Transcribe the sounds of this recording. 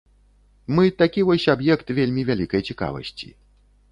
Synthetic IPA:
mɨt̪akʲivɔsʲabjɛkt̪vʲelʲmʲivʲalʲikɐjt͡sʲika̰vɐ̰sʲt͡sʲḭ

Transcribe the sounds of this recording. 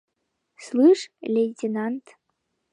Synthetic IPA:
slˠɨʂlʲejtʲenant̪

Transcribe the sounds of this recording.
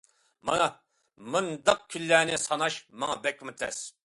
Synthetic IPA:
mɑ̰nɑ | mɨnd̪ɑq̚kʲʰynːæːnɪsɑnɑʃmɑŋɑbɛk̚ʲmɪt̪ʰɛ̰s

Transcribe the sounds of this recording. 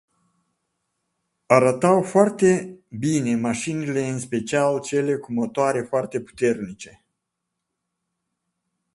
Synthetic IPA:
aɾət̪awfoart̪e̞bine̞maʃinile̞ɨnspe̞t͡ʃialt͡ʃe̞le̞kumo̞t̪oaɾe̞foart̪e̞pu̥t̪e̞rnit͡ʃe̞

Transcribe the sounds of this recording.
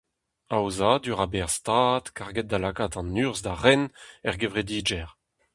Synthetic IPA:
awzad̪yʁabɛʁst̪aːtkaʁɡɛt̪̚d̪alakaːt̪ɑ̃nyːʁzd̪aʁɛnɛʁɡevʁed̪iːd͡ʒɛʁ

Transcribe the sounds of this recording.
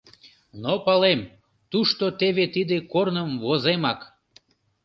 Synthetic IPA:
nopɑlem | t̪uʃt̪ot̪eβet̪id̪ekornəmvozemɑk

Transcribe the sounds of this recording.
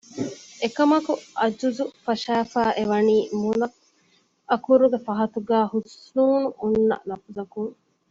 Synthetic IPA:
ekɐmɐkuɐd͡ʒuzufɐʃæːfæːʔeʋɐniːmunɐ | ɐkuɾuɡefɐɦɐt̪uɡæːhusnuːnuʔunːɐ̰nɐfuzɐkuŋ

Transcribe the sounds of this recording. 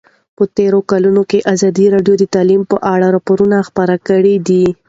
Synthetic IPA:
pət̪eɾokalunokeʔazɑd̪iɾɑɖjod̪ət̪ɑlimpəʔaɽaɾɑpoɾunaxpəɾakəɽid̪i

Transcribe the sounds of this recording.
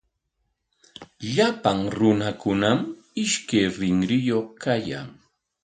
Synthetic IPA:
ʎapaŋɾʊnakʊnam | ɪʃkejɾɪŋɾɪjoχkaja̰ŋ

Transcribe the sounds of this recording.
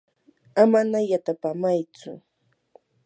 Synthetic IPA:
amanajat̪apamajt͡sʊ̰

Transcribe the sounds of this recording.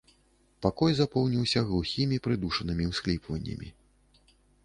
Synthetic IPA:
pakɔjzapɔwnʲiwsʲɐɣlˠuxʲimʲipɾɨd̪uʂɐnɨmʲiwsklʲipvɐnʲːɐ̰mʲḭ

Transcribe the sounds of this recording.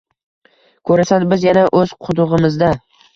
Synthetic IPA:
kʰɵɾasanbɪzjanaʔɵz̥qʰʊd̪ʊʁɨmɪzd̪a

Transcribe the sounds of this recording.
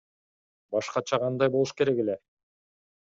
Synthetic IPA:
bɑʃqɑt͡ʃʰɑqʰɑnd̪ɑjbo̞lˠuʃke̞ɾe̞ke̞le

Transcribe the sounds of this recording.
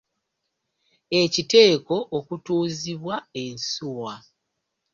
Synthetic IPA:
e̞cite̞ːko̞ʔokutuːziβwaensuwa

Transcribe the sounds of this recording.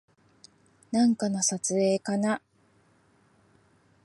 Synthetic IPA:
nãŋkano̞sat͡sɨe̞ːkana

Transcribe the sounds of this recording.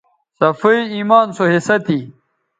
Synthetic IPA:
sɐfuiiːmaːnsoɦesɐt̪ʰi

